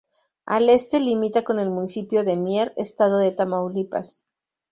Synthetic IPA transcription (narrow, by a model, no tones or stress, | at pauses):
a̰le̞st̪e̞limit̪ako̞ne̞lmũnisipjo̞ðe̞mje̞ɾest̪að̞o̞ðe̞t̪amawlipa̰s